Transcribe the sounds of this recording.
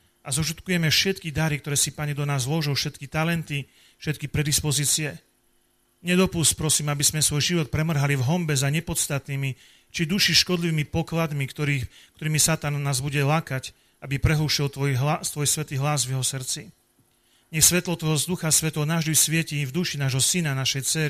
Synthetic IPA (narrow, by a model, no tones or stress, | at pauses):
ʔazɔʃ̬ut̪kujɛmɛfʃɛt̪kid̪aɾikt̪ɔɾɛːsipaɲɛd̪ɔnaːzlɔʒɔfʃɛt̪kit̪alɛnt̪i | fʃɛt̪̚kipɾɛd̪ispɔziːt͡siɛ | ɲɛd̪ɔpuspɾɔsiːmabiz̥mɛsʋɔjʒiʋɔt̪̚pɾɛmr̩ɦalivɦɔmbɛzaɲɛpɔt̪st̪at̪niːmi | t͡ʃid̪uʃiʃkɔd̪liʋiːmipɔklad̪miɾikt̪ɔɾiːmisat̪anːaːzbuɟɛlaːkac | abipɾɛɦuʃilɔt̪ʋɔjsʋɛt̪iːɦlazvjɛɦɔsr̩t͡si | ɲɛxsʋɛt̪lɔt̪ʋɔɦɔd̪uxasʋɛt̪lɔnaːʒd̪ujsʋɪɛcivd̪uʃinaːʒɦɔsinanaʃɛjt͡sɛɾi